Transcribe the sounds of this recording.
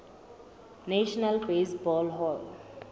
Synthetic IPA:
neʃnəlpeːsbɔːlɦɔl

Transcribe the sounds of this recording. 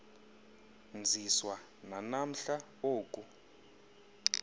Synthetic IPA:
nd͡zʱiswa | nanam̩ɬa | oːkʼu

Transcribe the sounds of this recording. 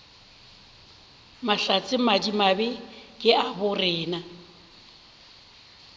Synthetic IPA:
maɬat͡sʼɪmadimabɪkʼɪʔabʊrɛːna

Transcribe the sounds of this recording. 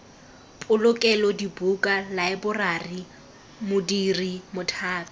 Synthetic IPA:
pʼʊlʊkʼɛlɔdibukʼalaɪbʊrari | mʊdirimʊtʰaːtʼɔ

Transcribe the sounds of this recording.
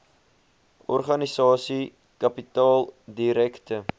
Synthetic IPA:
ɔrχɐnisɑːsi | kɐpitɑːlˠdiɾɛktə

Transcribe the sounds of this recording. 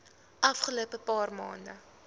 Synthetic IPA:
ʔɐfχəlopəpɑːrmɑːndə

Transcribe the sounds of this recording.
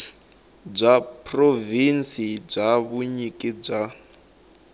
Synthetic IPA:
b͡ʐʷapʰʼrovinsib͡ʐaβuɲikʼib͡ʐa

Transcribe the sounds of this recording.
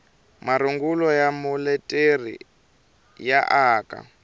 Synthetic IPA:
maɾuŋɡulɔjamɔlɛtʼerḭ | jaʔaːkʼa̰

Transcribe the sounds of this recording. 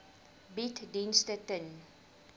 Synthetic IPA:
bitdinstətən

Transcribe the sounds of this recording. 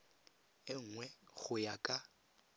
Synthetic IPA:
ɪŋ̩ŋwɛɣʊjakʼa

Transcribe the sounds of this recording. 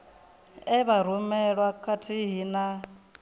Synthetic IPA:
ɛβaɾ̤umɛɺwakʰatʰiɦina

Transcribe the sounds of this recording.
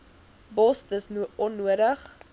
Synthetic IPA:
bɔstəsnuɔnːuəɾəχ

